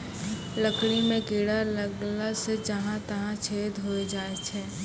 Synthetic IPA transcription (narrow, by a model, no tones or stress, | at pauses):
ləkɽimẽɡeːɽaləɡlased͡ʒɐɦãt̪ɐɦãt͡ʃʰeːd̪ʱɦoːed͡ʒaːet͡ʃʰɛː